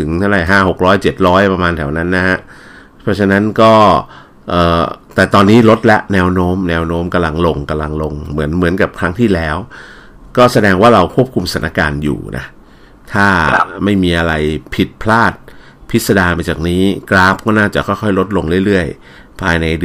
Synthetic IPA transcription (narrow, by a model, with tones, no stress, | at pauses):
t̪ʰɯ˩˦ŋt̪ʰa˥˩wɾa˨˩jɦaː˥˩ho˨˩k̚ɾɔː˦˥jt͡ɕe˨˩t̪̚ɾɔː˦˥jpɾa˧maː˧nt̪ʰɛ˩˦wna˦˥nːa˦˥ha˦˥ʔ | pʰɔ˦˥t͡ɕʰa˧na˦˥nkɔː˥˩ | ʔɤː˨˩t̪ɛː˨˩t̪ɔː˧nːiː˦˥lo˦˥t̪̚lɛ˦˥ʔnɛː˧˥wnoː˦˥mnɛː˧˥wnoː˦˥mka˧mla˧ŋlo˧ŋka˧mla˧ŋlo˧ŋmɯ˩˦ənmɯ˩˦ənka˨˩p̚kʰɾa˦˥ŋt̪ʰiː˥˩lɛː˦˥w | kɔː˥˩sa˧dɛː˧ŋwaː˥˩ɾa˧wkʰu˥˩əp̚kʰu˧msa˨˩˦nʔa˧˩kaː˧njṵː˨˩nʔa̰˦˥ | t̪ʰaː˥˩ma˥˩jmiː˧ʔa˧ɾa˧jpʰi˨˩t̪̚pʰlaː˥˩t̪̚ | pʰi˦˥t̪̚sa˧daː˧maː˧t͡ɕaː˨˩k̚niː˦˥kɾaː˦˥p̚kɔː˥˩naː˥˩t͡ɕa˨˩kʰɔ˥˩jkxʰɔ˥˩jlo˦˥t̪̚lo˧ŋɾɯ˥˩əjlɯ˥˩əj | pʰaː˧jna˧jd